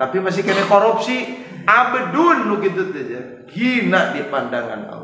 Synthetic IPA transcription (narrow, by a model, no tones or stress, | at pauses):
t̪apimas̬ikənɛkoɾup̚si | abədunːuɡit̪̬ut̪ud͡ʒa | ɡinaʔdipandaŋa̰na̰